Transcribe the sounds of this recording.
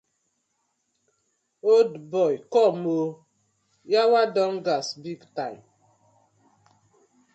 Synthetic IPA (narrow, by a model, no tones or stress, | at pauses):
odbɔjkɔmo | jawadɔŋ̩ɡasbiɡtaɪm